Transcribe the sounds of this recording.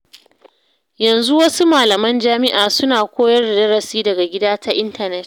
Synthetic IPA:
jɐ˨nzu˦wɐ˦su˦maː˨lɐ˨mɐ˦nd͡ʒaː˦mɪ˦ʔaː˨sʊ˦naː˨kʷoː˦jɐ˦rda˨dɐ˦ɽɐ˨siː˦dɐ˨ɡa˨ɡʲɪ˦daː˦tʰa˦ʔɪ˦ntɐ˨nɛ˦t

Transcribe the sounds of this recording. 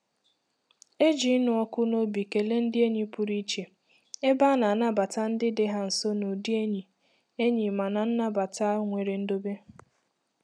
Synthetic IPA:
e˦d͡ʒi˨˦nʊ˨ɔ˦kʊ˦no˦bi˨ke˨le˦n̩˦dɪ˦e˦ɲi˦pʊ˨ɾi˦t͡ʃe˨ | e˦ba˦na˨na˦ba˨ta˦n̩˦dɪ˦dɪ˦ɦa˦n̩˨so˦no˨di˦e˦ɲi˨ | e˦ɲi˨ma˨na˨n̩˦na˦ba˨ta˦ŋʷe˨ɾe˨n̩˦do˦be˦

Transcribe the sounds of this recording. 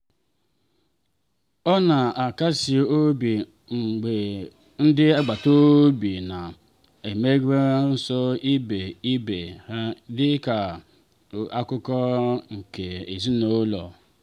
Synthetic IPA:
ɔ˦na˨a˨ka˦si˨o˦bi˨ | ŋ͡m̩˨ɡ͡be˨ | n̩˦dɪ˦a˦ɡ͡ba˨to˦bi˨na˨ | e˨me˦ɡe˦n̩˦sɔ˦i˦be˨i˦be˨ha˦dɪ˦ka˨ | a˦kʊ˦kɔ˦ŋ̩˨ke˨e˨zi˦no˦lɔ̰˨

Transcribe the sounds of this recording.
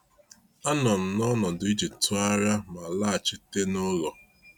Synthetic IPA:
a˦nɔ˨m̩˨nɔ˦nɔ˨dʊ˨i˦d͡ʒi˨tʊ˦a˦ɾa˦ma˨la˦a˨t͡ʃɪ˦te˦no˦ɣɔ˨

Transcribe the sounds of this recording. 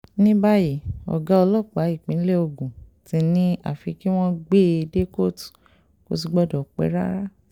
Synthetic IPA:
nĩ˦ba˦ji˦˨ɔ̰˨ɡa˨˦ɔ˧lɔ˦˨k͡pa˨˦i˦˨k͡pĩ˨˦le˦o˧˨ɡũ˨tĩ˧nĩ˦a̰˦˨fi˧ki˦w̃ɔ̃˦ɡ͡be˦˨˧de˦ko˦˨tu̥˨ | ko̰˧˦s̬i˧ɡ͡bɔ˦dɔ˨k͡pḛ˧˦ɾa̰˦ɾa˦

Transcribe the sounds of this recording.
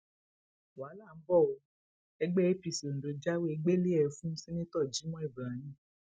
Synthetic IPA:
waː˨˦la˦˨n̩˦bɔ˦˨o˧ | ɛ˧ɡ͡bɛ˦e˦pi˧˨si˨o˨n̩˨do˨d͡ʒa˦we˦e˧ɡ͡be˦le˦ɛ˧fũ˦sĩ˦nĩ˦tɔ˦˨d͡ʒi˨˦mɔ̃˦i˦˨bɾa˨˦nĩ˦˨

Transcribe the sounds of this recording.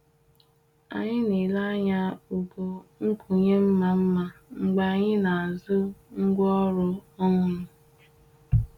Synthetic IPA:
a̰˨ɲɪ˦ni˨la˦ɲa˦u˨bo˨ŋ̩˦kʰu˨ɲe˦m̩˦ma˨m̩˦ma˨ŋ͡m̩˨ɡ͡ba˨ɲɪ˦na˨a˨zʊ˦ŋ̩˦ɡʷɔ˦ɾʊ˦ɔ˦ŋʊ˦nʊ˨

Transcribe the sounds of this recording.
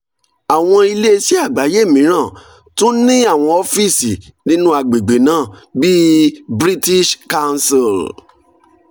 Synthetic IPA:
a˨w̃ɔ̃˧i˧le˦si˦a˦˨ɡ͡ba˨˦je˦˨mĩ˨˦ɾ̃ã˦˨ | tũ˦nĩ˦a˦˨w̃ɔ̃˧o˧˦fi˦˨si˨nĩ˦nũ˦a˧ɡ͡be˨ɡ͡be˨nãː˨˦˨bi˦bɾi˦ti˦ʃka˦˧nsi˨l

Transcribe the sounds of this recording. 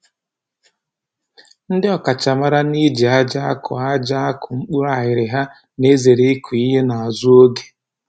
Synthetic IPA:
n̩˦dɪ˦ɔ˨ka˨t͡ʃa˨ma˦ɾa˦ni˦d͡ʒi˨a˦d͡ʒa˦a˦kɔ̰˨a˦d͡ʒa˦kʊ˨ŋ͡m̩˦k͡pu˦a˨ɦɪ˨ɾɪ˨ɦa˦ | ne˦ze˨ɾe˦kʰu˨i˦ɦe˦na˨a˨zu˦o˦ɡe̥˨

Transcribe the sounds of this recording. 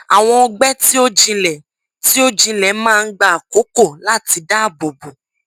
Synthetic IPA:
a˨w̃ɔ̃˧o˧ɡ͡bɛ˦ti˦o˦d͡ʒĩ˧lɛ˨ | ti˦o˦d͡ʒĩ˧lɛ˨mãː˦˧n̩˦ɡ͡ba˦a˨ko˨˦ko˦˨la˦˨ti˧da˦a˦˨bo˨bo˨

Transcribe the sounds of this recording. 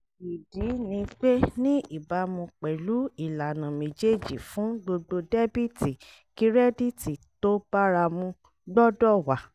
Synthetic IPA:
i˨di˨˦nĩ˧k͡pe˦nĩ˦i˦˨ba˧˦mũ˧k͡pɛ˨lu˨˦i˦˨la˨nã˨mĩ˨d͡ʒe˦˨d͡ʒi˨fũ˨˦ɡ͡bo˧ɡ͡bo˧dɛ˦bi˦ti˨ | ki˨˦ɾɛ˦di˦˨ti˨to˦ba˦ɾa˧mũ˧ | dɔ˦dɔ˦˨wa˨

